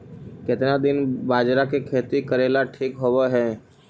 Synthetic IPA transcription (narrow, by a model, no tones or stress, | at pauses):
kɪt̪nad̪ɪnbaːd͡ʒɾakekʰeːt̪ikəɾeːlaʈʰiːkɦoʋeɦɛ̃ː